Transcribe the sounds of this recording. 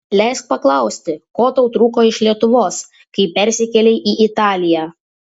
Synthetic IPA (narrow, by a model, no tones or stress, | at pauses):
lʲɛɪsk̚pɐklˠɐˑʊsʲt̪ʲɪkoːt̪ɒʊt̪ɾuːkoːɪʃʲlʲiɛt̪ʊʋoːs | kɐɪpʲɛɾʲsʲɪkʲɛlʲɛɪʔiːʔɪt̪ɑːlʲɪjæː